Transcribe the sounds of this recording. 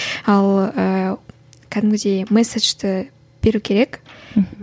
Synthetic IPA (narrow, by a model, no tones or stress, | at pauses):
ɑlˠə | kʲʰæd̪ɪmɡʲɪd̪e̞jmeseʒ̥t̪ɪ | b̥e̞ɾukʲʰe̞ɾe̞k